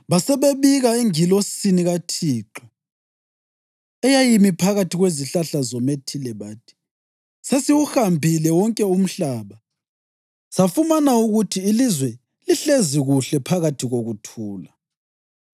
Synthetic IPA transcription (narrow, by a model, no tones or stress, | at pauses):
βasɛβeβiɣaeŋilosiniɣatʰiːǁɔ | ɛjajimipʰaɣatʰiɣweziɬaɬazɔmetʰilɛβaːtʰi̥ | sesiwuxambʱilɛwɔŋkʼɛum̩ɬaːβa | safumanauɣutʰiːlizwɛ | liɬeziɣuɬɛpʰaɣatʰiɣoɣutʰuːla